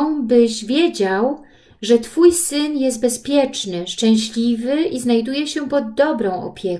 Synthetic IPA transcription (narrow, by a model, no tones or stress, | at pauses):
bɘʑvʲjɛd͡ʑaw | ʐɛt̪fujsɘnjɛst̪̚bɛspʲjɛt͡ʂnɘʂt͡ʂɛ̃w̃ɕlʲivɘʔiznajd̪ujɛɕɛpɔd̪ːɔbɾɔ̃w̃ɔ̰pʲjɛ